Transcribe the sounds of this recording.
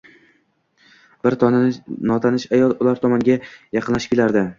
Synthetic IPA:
b̥ɪɾnɒt̪ʰanɪʃajɒlˠʊlaɾt̪ʰɒmaŋɡʲajɑqʰɨnlaʃɪp̚ʲkʲʰelaɾd̪ɪ

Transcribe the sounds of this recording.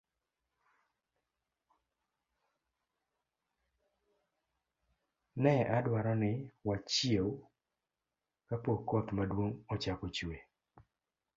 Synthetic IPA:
nɛʔadwaɾɔnɪwat͡ʃjew | kapokɔt̪madwoŋɔt͡ʃakot͡ʃwe

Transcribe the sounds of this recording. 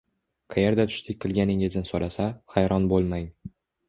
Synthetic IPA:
qʰajeɾd̪at̪ʰʊ̥ʃt̪ʰɪkʲqʰɨlˠɡʲanɪŋɪznɪsoɾasaχajɾɒnbolˠmaŋ

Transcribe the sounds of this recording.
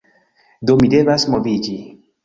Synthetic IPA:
domidevasmovid͡ʒi

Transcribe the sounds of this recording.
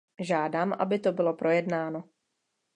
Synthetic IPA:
ʒaːdaːmʔa̰bɪt̪o̞bɪlo̞pɾo̞jɛdnaːno

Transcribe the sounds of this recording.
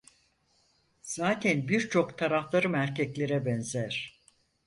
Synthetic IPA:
z̥aːt̪ʰænbiɾt͡ʃʰo̞kt̪ʰaɾaflˠaɾɯmæɾcʰɛclʲe̞ɾɛbɛnzæɾ̥

